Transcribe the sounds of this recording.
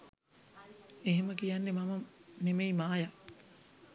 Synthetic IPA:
eɦeməkijanːemamənemeimaːja

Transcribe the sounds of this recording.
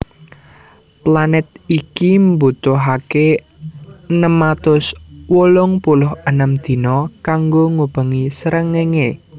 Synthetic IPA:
planɛt̪̚ikimbut̪ʊɦake | nəmat̪ʊswolʊŋpulʊhənəmd̪̥i̤nɔkaŋɡoŋub̥ə̤ŋisəɾəŋeŋe

